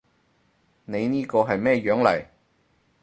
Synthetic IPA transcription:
ne˨˧jniː˥kɔː˧ɦɐ˨jmɛː˥jœː˨˥ŋlɐ̰˨˩j

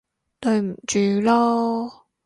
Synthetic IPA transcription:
t̪ɵ˧ɥm̩˨˩t͡ʃyː˨˧lɔː˥

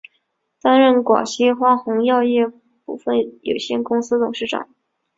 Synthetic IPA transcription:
t̪a˥nɻə˥˩nkwɑ̰˨˩ɕi˥xwa˥xʊ˧˥ŋjɑ˥˧ʊjɛ˥˧ | pu˥˧fə˥˩njo̰˨˩ʊɕjɛ˥˩nkʊ˥ŋsɹ̩˥t̪ʊ˨˩ŋʂɻ̩˥˩ʈ͡ʂɑ̰˨˩˦ŋ

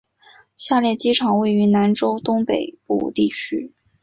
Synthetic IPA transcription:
ɕja˥˧ljɛ˥˩t͡ɕi˥ʈ͡ʂʰɑ˨˩˦ŋwe˥˩ɪy˧˥na˧˥nʈ͡ʂo˥ʊt̪ʊ˥ŋpe˨˩ɪpṵ˨˩t̪i˥˩t͡ɕʰy˥

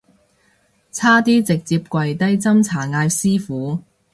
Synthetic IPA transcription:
t͡sʰaː˥t̪iː˥t͡sɪ˨k̚t͡siː˧p̚kʷwɐ˨jt̪ɐ˥jt͡sɐ˥mt͡sʰaː˨˩ŋaː˧jsiː˥fuː˨˥

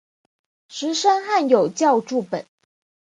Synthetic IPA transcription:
ʂɻ̩˧˥ʂa˥nxa˥˩njo˨˩ʊt͡ɕjɑ˥˧ʊʈ͡ʂu˥˩pə˨˩˦n

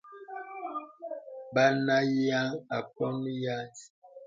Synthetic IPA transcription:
ba˦na˦ja˦ŋa˨kɔ˦m˦ja˦t

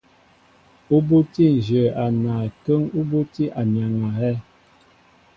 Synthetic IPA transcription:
u˦bu˦ti˦n̩˨d͡ʒə˨a˨na˨kə˦ŋu˦bo˦ti˦ʔa˨ɲa˨ŋa˨hɛ˦

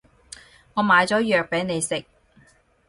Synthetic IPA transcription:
ŋɔː˨˧maː˨˧jt͡sɔː˨˥jœː˨k̚pe˨˥jne˨˧jsɪ˨k̚

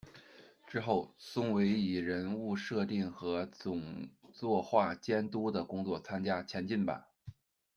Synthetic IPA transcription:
ʈ͡ʂɻ̩˥xo˥˩ʊsʊ˥ŋwe˧˥ɪi˨˩ɻə˧˥nu˥˧ʂɤ˥˧t̪i˥˩ŋxɤ˧˥t͡sʊ˨˩ŋt͡swɔ˥˧xwa˥˩t͡ɕjɛ˥nt̪u˥d̪ə˨kʊ˥ŋt͡swɔ˥˩t͡sʰa˥nt͡ɕja˥t͡ɕʰjɛ˧˥nt͡ɕi˥˩npa̰˨˩

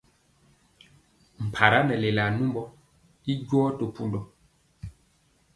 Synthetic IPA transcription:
m̩˨pʰa˨ɾa˦nɛ˨le˨la˨nu˦mbɔ˦ | i˦ɟwɔ˦to˨pu˦ndɔ˨

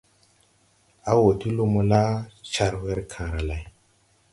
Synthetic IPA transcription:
a˦wo˨ti˦lu˦mu˦la˦t͡ʃa˨ɾwe˦ɾkʰã˨ɾa˨la˨j

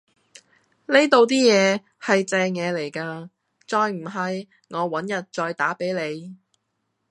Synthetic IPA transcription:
le˥jt̪o˨˧wt̪iː˥jɛː˨˧ | hɐ˨jt͡sɛː˧ŋjɛː˨˧le˨˩jkaː˧ | t͡sɔː˧jm̩˨˩ɦɐ˨j | ŋɔː˨˧wɐ˨˥njɐ˨t̚t͡ʃɔː˧jt̪aː˨˥pe˨˥jle˨˧j

